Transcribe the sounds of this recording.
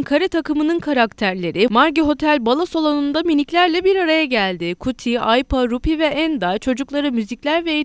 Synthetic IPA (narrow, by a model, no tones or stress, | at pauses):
ŋkʰaɾɛt̪ʰakɯmɯnɯnkʰaɾakt̪ʰæɾlʲe̞ɾɪmaɾɟiɦo̞t̪ʰælʲbalˠaso̞lˠonund̪aminiclʲæɾlʲɛbiɾaɾajaɟælʲd̪ɪkʰut̪ʰiajpaɾupivɛʔɛnd̪at͡ʃʰo̞d͡ʒuklˠaɾɯmyziclʲæɾvɛe